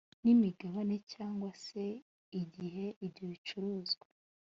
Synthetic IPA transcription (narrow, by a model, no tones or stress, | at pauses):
nimiɡaβane̞caːŋɡwase̞ | iɟiɦe̞iɾɟoβit͡ʃuɾuːzɡwaa